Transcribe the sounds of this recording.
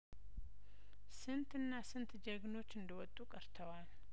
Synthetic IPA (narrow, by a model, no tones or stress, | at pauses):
sɨnt̪ɨnːasɨnt̪d͡ʒəɡno̞t͡ʃːɨnd̪əwɔt̪ʼukʼəɾt̪ʰəwal